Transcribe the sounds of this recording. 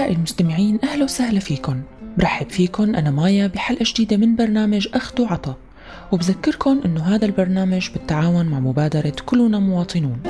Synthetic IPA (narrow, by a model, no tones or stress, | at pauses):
aːʔɪlmʊst̪amɪʕiːnʔahlowsahlafiːkʊnbɾˤɑħɪbfiːkʊnʔanamaːjabɪħalʔaʒd̪iːd̪amɪnbɑɾˤnaːmaʒʔaxd̪uʕɑt̪ˤɑ | wɪbzakːɪɾkʊnʔɪnːoɦaːd̪albɑɾˤnaːmaʒbɪt̪ːaʕaːwʊnmaʕmʊbaːd̪ɑɾˤɑkʊlːnamʊwɑːt̪ˤɨnuːn